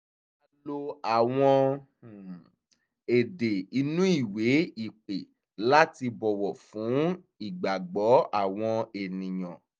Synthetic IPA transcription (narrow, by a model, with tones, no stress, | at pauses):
a˧lo˧a˨w̃ɔ̃˧˨ | e˨de˨i˧nũ˦i˦˨we˨˦i˦˨k͡pe˨ | la˦ti˧bɔ˨wɔ˨fũ˨˦ | i˦˨ɡ͡ba˨ɡ͡bɔ˨˦a˦˨w̃ɔ̃˧e˨nĩ˨j̃ɔ̃˨